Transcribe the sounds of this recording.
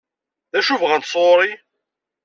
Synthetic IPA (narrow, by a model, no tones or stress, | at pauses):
ðæʃuvʁænt̪sˤoɾˤi